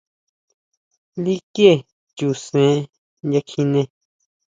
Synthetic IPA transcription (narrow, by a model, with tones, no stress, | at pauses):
li˦ke˦˨ | t͡ʃu˨sẽ˨˦ | nja˧kʰi˧nẽ˧